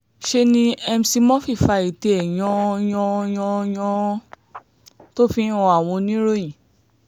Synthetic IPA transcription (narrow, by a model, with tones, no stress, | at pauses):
ʃe˧nĩ˦ɛ˧msi˧mɔ̃˦fi˦˨fa˧i˨te˧ɛ˨j̃ɔ̃˧jɔ̃˧j̃ɔ̃˧jɔ̃˧ | to˦fi˧˦ɔ̃˧a˦˨w̃ɔ̃˧nĩ˦ɾo˦jĩ˨